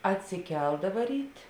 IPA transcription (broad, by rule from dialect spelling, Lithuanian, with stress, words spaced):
ɐtʲsʲɪˈkʲɛlˠdɐʋɐ ˈrʲiːtʲ